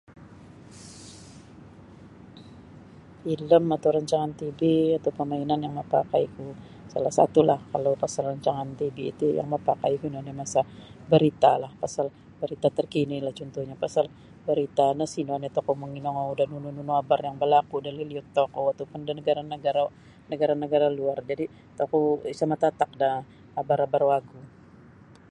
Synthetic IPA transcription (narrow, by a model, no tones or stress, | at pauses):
iləmat̪awɾaɲt͡ʃaŋant̪ibiat̪awpəmainanjaŋməpakajku | salahsa̰t̪ulahkalowpasalraɲt͡ʃaŋant̪ibḭːt̪uja̰ŋməpakajkunonamasabəɾit̪alahpasal | bəɾit̪at̪ərkinilaht͡ʃɔnt̪uhɲapasal | bəɾit̪anəsinɔnat̪okoməŋinɔŋaudahnunununuabarjaŋbəlakudaliliʊt̪ːokoat̪awpʊndanəɡaɾanəɡaɾa | nəɡaɾanəɡaɾaluard͡ʒadi | t̪okɔsamat̪at̪ak̚da | abaɾabarwaɡu